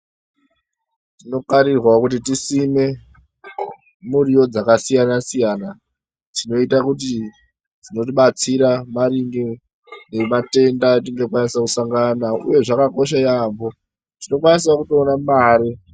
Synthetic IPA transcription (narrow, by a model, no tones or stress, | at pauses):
tino̞kaɾirwakut̬itisime̞ | muɾijo̞d͡zakasijanasijana | tino̞itakut̬i | d͡zino̞t̬iɓat͡siɾamaɾiŋɡi | ne̞mate̞ndat̬iŋɡekwanisakusaŋɡanaṵje̞ʐakako̞ʃ̬ajambo̞ | tino̞kwanis̬akutoːnamaːɾi